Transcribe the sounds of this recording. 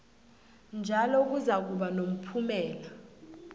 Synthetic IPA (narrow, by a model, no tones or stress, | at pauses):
nd͡ʒʱalɔk̬uzak̬uɓanom̩pʰumɛːla